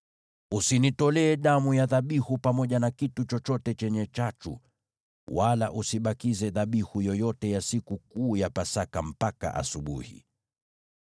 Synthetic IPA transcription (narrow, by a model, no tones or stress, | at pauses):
usinitɔlɛːɗamujaðaɓihupamɔʄanakitut͡ʃɔt͡ʃɔtɛt͡ʃɛɲɛt͡ʃat͡ʃṵ | walaʔusiɓakizɛðaɓihujɔjɔtɛjasikukuːjapasakam̩paka̰ʔa̰suɓṵhḭ